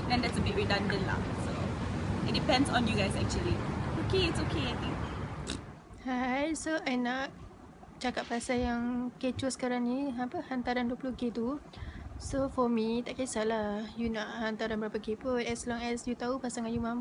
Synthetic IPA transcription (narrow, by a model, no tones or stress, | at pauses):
dɛ̃ndɛtsəbɪt̚ɹidãndə̃nla̰soɪt̚dipɛ̃ndsɔ̃njuɡajsɛk̚t͡ʃuəliokeɪtsokeat̪ĩŋ | hajsoajnaʔ̚ | t͡ʃakaʔ̚pasajaŋket͡ʃusə̥kaɾaŋniapəhant̪aɾanduəplɔhɡet̪u | sofɔmit̪aʔkaisalahjunaʔhant̪aɾanbəɾapəɡepoɛslɔ̃ŋɛsjut̪aupasaŋanjumãm